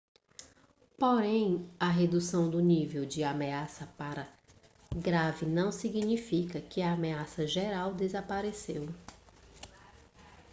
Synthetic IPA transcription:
poɾẽj̃ɐɦed̪usɐ̃w̃d̪ʊnivewd͡ʒɪameasɐpaɾɐ | ɡɾavɪnɐ̃w̃siɡinifikɐkɪɐːmeasɐʒeɾawd̪ezapaɾesew

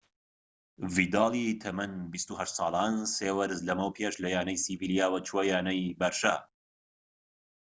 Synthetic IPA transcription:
vid̪ɑːlˠit̪ʰɐmɐnbist̪uhɐʃt̪sˤɑːlˠaːnseːwɐɾɨzlɐmɐwpʰeːʃlɐjaːnɐjsiviljaːwɐt͡ʃʰwojaːnɐjbɐɾʃa̰

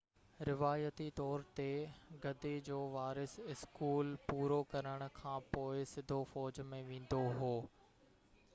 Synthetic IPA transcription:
ɾɪʋaːjət̪it̪ɔːɾt̪eɡɐd̪ed͡ʑoːʋaːɾɪsɪskuːlpuːɾokɐɾəɽ̃ʊ̆kʰãːpoːɪsɪd̪ʱofɔːd͡ʑmẽʋẽːn̆d̪oɦoː

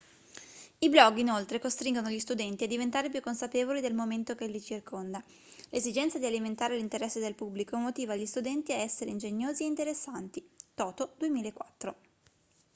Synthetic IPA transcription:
iblɔɡːinolt̪ɾekost̪ɾiŋɡonoʎist̪ud̪ɛnt̪iad̪ːivent̪aːɾep̬jukːonsapeːvolid̪elmoment̪okelːit͡ʃirkond̪a | lezid͡ʒɛnt̪sad̪ialiment̪aːɾelint̪eɾɛsːed̪elpubːlikomot̪iːvaʎːist̪ud̪ɛnt̪iaɛsːeɾeind͡ʒeɲːoːzieint̪eɾesːant̪it̪ɔːt̪od̪uemiːlaekːwat̪ːɾo

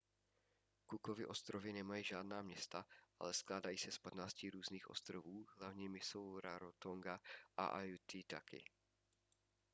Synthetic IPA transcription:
kukovɪʔo̞st̪ɾovɪnɛmajiːʒaːdnaːmɲɛst̪aʔa̰lɛsklaːdajiːsɛspat̪naːscɪɾuːzniːxʔo̞̰st̪ɾovuːɦlavɲimɪso̞wɾaɾot̪oŋɡaʔa̰ʔajut̪ɪt̪akɪ̰

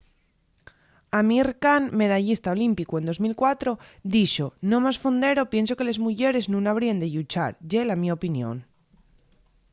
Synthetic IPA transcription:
amiɾkanme̞ð̞aʎist̪ao̞limpikue̞nd̪o̞zmilkwat̪ɾo̞d̪iʃonõ̞masfond̪e̞ɾo̞pje̞nso̞kele̞zmuʝe̞ɾe̞znũŋaβ̞ɾiand̪eʎut͡ʃa̰ɾɟ͡ʝe̞lamio̞pinjõ̞̰n

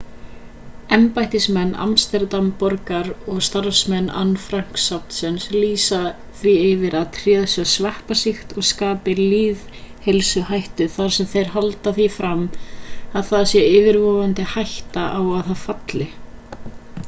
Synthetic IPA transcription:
ɛmpajht̪ɪsmɛnːa̰mst̪ɛɾt̪ampɔɾkaɾɔɣst̪aɾfsmɛnːa̰nfɾaŋ̥ksawnsɛnsliːsa | θvievɪɾaðt̪ʰɾiːðasœsvahpasɪxt̪ɔɣskaːpɪliːðhelsʏhajht̪ʏθaɾ̥sɛmθejɾ̥ɦalt̪aθifɾam | aðθaðsjɛɪːvɪɾvɔːvant̪ɪhajht̪aʔawaθaðfat̪lɪ

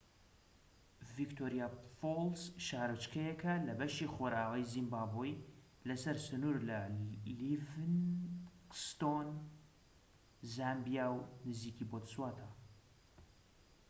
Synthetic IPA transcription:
vikt̪ʰoːɾijafolsʃaːɾɨt͡ʃkʰɐjɛkʰɐlɐbɛʃixoɾaːʁijzimbaːboj | lɐsɐɾsɨnuːɾlɐlivɨn | st̪on | zaːmbjawnɨziːkibot̪swaːt̪ʰa

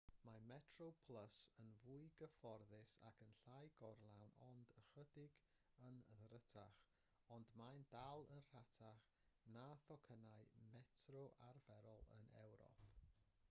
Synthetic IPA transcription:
mamɛtʰropʰlˠəsənvuɨɡəfɔrðɪsa̰kʰənɬajɡɔrlˠawnɔndəχədɪɡ | ənðrətʰaχ | ɔndmandalˠənr̥atʰaχ | naθɔkʰənaɨmɛtʰrɔʔarvɛɾɔlˠə̰nɛ̰wɾɔ̰pʰ

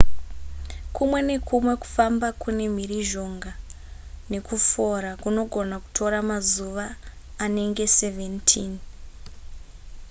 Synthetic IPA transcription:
kʰumwe̞ne̞kʰumwe̞ku̥fambakune̞m̤iriʒo̞ŋɡa | ne̞kufo̞ɾakuno̞ɡʱo̞naku̥tʰo̞ɾamazuʋaː | ne̞ŋɡe̞se̞ve̞ntʰiːn

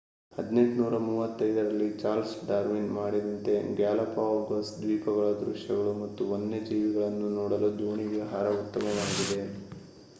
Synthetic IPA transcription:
hɐd̪ne̞ɳʈnuːɾɐmuːʋɐt̪ːɐjd̪ɐɾɐlːit͡ʃaːlsɖaːɾminmaːɽid̪ɐnt̪e̞ɡaːlɐpaːɡɐsd̪ʋiːpɐɡɐɭɐd̪ɾuʂjɐɡɐɭumɐt̪ːuonːed͡ʒiːʋiɡɐɭɐnːunɔːɽɐlud͡ʒ̪uːɳiɡeɦaːɾɐut̪ːɐmɐʋaːɡid̪e̞

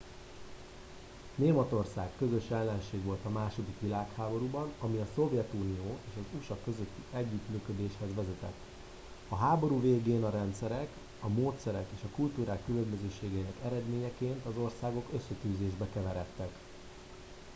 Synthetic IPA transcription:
neːmɒt̪o̞rsaːkːøzø̞ʃɛlːɛnʃeːɡʋo̞lt̪ɒmaːʃo̞d̪ikʋilaːkhaːbo̞ɾubɒnɒmiɒso̞vjɛt̪uːnijoːeːʃɒzuʃɒkø̞zøt̪ːiɛɟːyt̪myːkød̪eːʃhɛzʋɛzɛt̪ɛ̰t̪ː | ɒɦaːbo̞ɾuːveːɡeːnɒɾɛnt̪sɛɾɛk | ɒmoːt̪sɛɾɛkeːʃɒkult̪uːɾaːkːylømbø̞zøːʃeːɡɛinɛkɛɾɛd̪meːɲɛkeːnt̪ɒzo̞rsaːɡo̞kø̞sːɛt̪yːzeːʒbɛkɛvɛɾɛt̪ːɛk

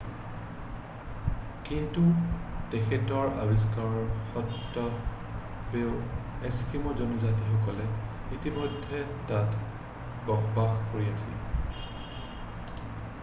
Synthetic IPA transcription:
kintutekʰɛtɔɹa̰bis̬kaɹɔɹxɔtːɔ | beʊɛskimɔzɔnɔzatixɔkɔlɛ | itimɔjdʱːɛtat | bɔxbaxkoɹiasḭl

